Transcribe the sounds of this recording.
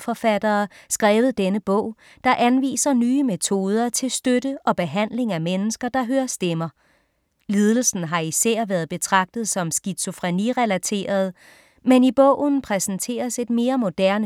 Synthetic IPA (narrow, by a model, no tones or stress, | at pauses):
fɒ̽fæd̥ɐːsɡ̥ʁɛːʊð̩ˠd̥enəb̥ɔ̽ʊ̰ | d̥ɑ̈ʔænʋḭːsɐnyːəmet͡sʰo̝ːð̞ˠɐt͡sʰe̝lsd̥ød̥əʔɒ̽b̥e̝ɦæn̰le̝ŋæmenəsɡ̥ɐd̥ɑ̈ɦøːɐsd̥emɐ | liːð̞ˠl̩sn̩ɦɑ̈isɛɐ̰ʋæːɐðˠb̥e̝t͡sʰʁɑ̈ɡ̥̚d̥ð̩ˠsɒ̽msɡ̥i̥so̝fʁɛniʁɛlæt͡sʰe̝̰ːɐð̞ˠ | menib̥ɔ̰ʊ̰n̩pʰʁɛsn̩t͡sʰe̝̰ːɐse̝d̥me̝ːɐmo̝d̥æɐ̰nə